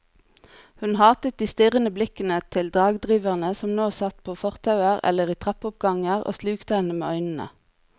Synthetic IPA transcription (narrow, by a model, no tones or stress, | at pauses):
hʉnhɑːt̪ət̪̚d̪iːst̪ɪʁənəblɪkənət̪ʰɪld̪ɑːɡd̪ʁiːʋəʁnəsɔmnoːsɑt̪pʰoːfɔʁt̪ʰɑʉəʁɛ̰ləʁiːt̪ʰʁɑpʊp̚ɡɑŋəʁo̰ːslʉːkt̪əhɛnəmḛːœʏnn̩ə̰